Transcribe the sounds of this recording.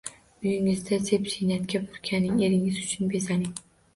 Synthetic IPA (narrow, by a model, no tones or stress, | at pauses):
ʊjɪŋɪzd̪asepseniat̪kʲabʊɾkʲʰanːɪŋe̞ɾɪŋɪzʊt͡ʃʰʊnbezanɪŋ